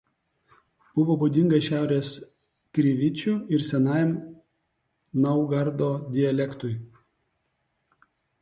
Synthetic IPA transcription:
b̥ʊʋoːbʊd̪ʲɪŋɡɐʃʲæˑʊɾʲeːs | kɾʲɪʋʲɪt͡ʃʲʊɪɾsʲɛnɑˑɪm | nɐʊɡɐɾd̪oːd̪ʲɪɛlʲɛkt̪ʊj

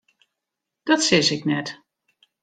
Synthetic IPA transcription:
d̥ɔtsɪsɪknɛt

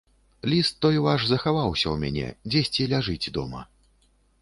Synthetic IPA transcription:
lʲist̪ːɔjvaʐzɐxavawsʲɐwmʲa̰nʲɛ̰d͡zʲɛsʲt͡sʲɛlʲaʐɨt͡sʲd̪ɔ̰mɐ̰

